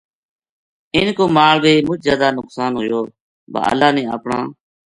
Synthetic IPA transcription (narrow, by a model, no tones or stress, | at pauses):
ɪnkoːmaːɭbiːmʊt͡ʃʰzjaːd̪aːnʊksaːnɦʊːjoː | ba̰ːʔə̰laːnẽːə̰ːpɳã̰ː